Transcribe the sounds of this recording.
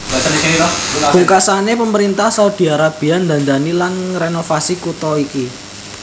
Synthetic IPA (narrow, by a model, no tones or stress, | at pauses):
uŋkasanepəməɾint̪ahsaud̪̥i̤aɾab̥i̤and̪a̤nd̪anilanrenofasikut̪ɔiki